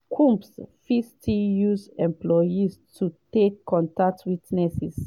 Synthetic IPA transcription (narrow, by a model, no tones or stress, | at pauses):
kʰũmpsfiftʰijuzɛ̃mplɔjistʰutekːɔ̃ntak̚tʰwitnɛsis